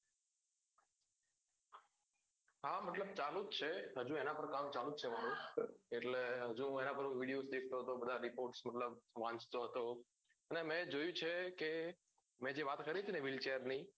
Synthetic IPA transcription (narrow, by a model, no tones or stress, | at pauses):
ɦaməʈləb̚t͡ʃalut̪̚t͡ʃʰeɦəd͡ʒũenapəɾkãmt͡ʃalut̪̚t͡ʃʰemañũeʈleɦəd͡ʒũenapəɾɦũʋiɽijosd̪ek̚ʰt̪oɦət̪obəd̪ʱaɾipoɾʈsməʈləbʋãɲt͡ʃt̪oɦət̪o | ənemɛ̃d͡ʒojũt͡ʃʰeke | mɛ̃d͡ʒeʋat̪kəɾit̪ʰineʋɪlt͡ʃeəɾni